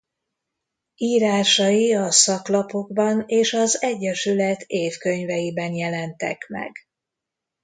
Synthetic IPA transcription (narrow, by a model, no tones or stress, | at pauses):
iːɾaːʃɒjiɒsɒklɒpo̞ɡbɒneːʃɒzɛɟːɛʃylɛt̪ʰeːfkø̞ɲvɛjibɛnjɛlɛnt̪ɛ̰kmɛ̰ɡ